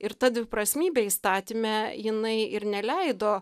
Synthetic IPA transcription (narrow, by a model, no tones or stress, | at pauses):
ɪɾt̪ɐd̪ʲʋʲɪpɾɐsʲmʲiːbʲɛist̪ɑːt̪ʲimʲɛjɪnɐɪɪɾnʲɛlʲɛɪd̪oː